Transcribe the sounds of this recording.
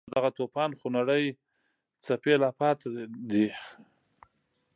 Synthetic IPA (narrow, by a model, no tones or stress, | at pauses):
d̪aɣat̪opɑnxunaɽəj | t͡sapelɑpɑt̪ad̪i